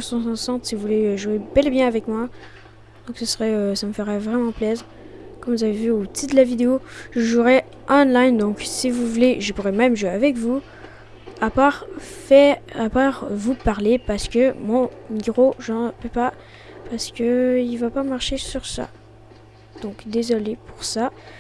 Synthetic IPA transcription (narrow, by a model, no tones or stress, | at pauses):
sɔ̃sɑ̃sɑ̃t̪sivuvuleʒuebɛləbjɛ̃avɛkmwa | d̪̥ɔ̃ksəsəʁɛøsaməfəʁavʁɛmɑ̃plɛz | kɔmvuzavevyot̪ʰid̪əlavid̪eoʒəʒuʁɛ | ʔɑ̃lajnd̪ɔ̃ksivuvuleʒəpuʁɛmɛmʒueavɛkvu | apaʁfɛapaʁvupaʁlepaʁsə̥kəmɔ̃miɡʁoʒɑ̃pøpa | paʁsə̥kʲəilvapamaʁʃesyʁsa̰ | d̪̥ɔ̃kd̪ezɔlepuʁsa